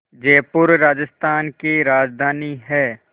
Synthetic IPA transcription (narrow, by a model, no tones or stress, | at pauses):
d͡ʒeːpʊɾɾaːd͡ʒəst̪ʰaːnkiɾaːd͡ʒd̪ʱaːniɦɛː